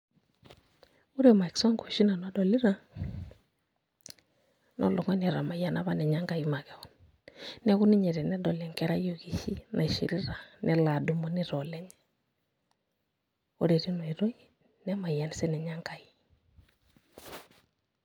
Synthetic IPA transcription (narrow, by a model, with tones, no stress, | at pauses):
u˦ɾe˦ma˨i˨kso˦ŋɡo˨ʃi˦na˨no˨˦do˨li˦ɾa˦ | nʔo̰˦lo˨ŋɔ˦ni˨ɾa˨ma˨ja˨na˦βa˦nɛ˨ɲa˦ŋɡa˨ji˦ma˨kɛ˨ɔ˦n | nɛ˦ku˦ni˦ɲɛ˨ɾɛ˨nɛ˦do˨lɛ˨ŋke˦ɾa˦jo˨ki˨hi˦nʔa̰˨ʃḭ˨ɾi˦ɾa˨nɛ˦la˨du˨mo˦ni˦ɾo˨le˦ɲ | u˦ɾe˨ɾi˦no˨i˨ɾo˦ji˨ | nɛ˦ma˨ja˨n˨sɛ˦nɛ˨ɲa˦ŋka˨ji˦